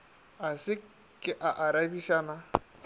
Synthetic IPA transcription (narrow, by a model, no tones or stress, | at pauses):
asɪ | kʼɪʔaʔaɾabiʃaːna